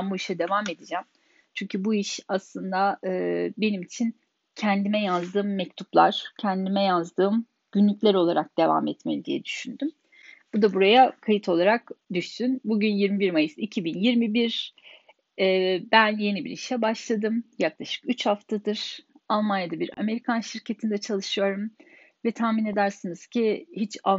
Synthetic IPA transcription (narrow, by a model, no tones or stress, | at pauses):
mbuiʃɛd̪e̞vame̞d̪id͡ʒæm | t͡ʃʰyɲcʰybuiʃaslˠɯnd̪aɯːbe̞nimit͡ʃʰin | cʰɛnd̪imɛjazd̪ɯːmːɛct̪ʰuplˠa̰ɾ̥cʰɛnd̪imɛjazd̪ɯːm | ɟ̥ynlʲycʲlʲæɾo̞lˠaɾak̚d̪e̞va̰mɛt̪melʲid̪ijɛ̰d̪yʃynd̪ym | b̥ud̪abuɾajakʰajit̪ʰo̞lˠaɾakd̪yʃsynbuɟynjiɾmibiɾmajɯsicʰibinjiɾmibiɾ | ɛːbænje̞nibḭɾḭʃɛbaʃlˠad̪ɯmjaklˠaʃɯ̥kyt͡ʃhaft̪ʰad̪ɯɾ̥alˠmanjad̪abiɾa̰me̞ɾikʰanʃiɾcʰe̞t̪ʰind̪ɛt͡ʃʰalˠɯʃɯjo̞ɾum | vɛt̪ʰahmine̞d̪æɾsinɯz̥cʰihit͡ʃa